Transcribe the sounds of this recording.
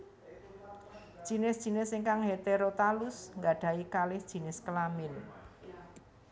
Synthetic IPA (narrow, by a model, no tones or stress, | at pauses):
d̥ʒ̥i̤nɪsd̥ʒ̥i̤nɪsiŋkaŋɦet̪eɾot̪alʊsŋɡaɖ̥ä̤ikalɪhd̥ʒ̥i̤nɪskəlamɪn